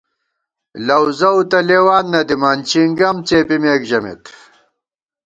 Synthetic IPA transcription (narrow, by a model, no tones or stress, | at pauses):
lɐwzɐwt̪ɐleːwaːnːɐd̪imaːnt͡ɕiŋɡɐmt͡seːpimeːkʑɐmḛt̪